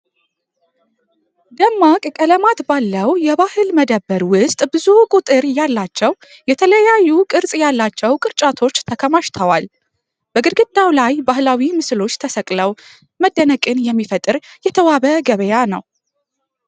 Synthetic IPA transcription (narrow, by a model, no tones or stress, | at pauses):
d̪əmːakʼkʼələmat̪balːəwjɛβahɨlməd̪əbːəɾwʊst̪ʼbɨzukʼut̪ʼɨɾjalːat͡ʃːɛw | jɛt̪ʰələjajːukʼɨɾsʼjalːat͡ʃːɛwkʼɨɾt͡ʃʼat̪ʰo̞t͡ʃːt̪ʰəkʰəmaʃt̪ʰəwal | b̥əɡɨɾɡɨd̪awlajbahlawimɨslo̞t͡ʃːt̪ʰəsəkʼləw | məd̪ːənəkʼɨnjɛmːifət̪ʼɨɾjɛt̪ʰəwaβəɡəβəjanəw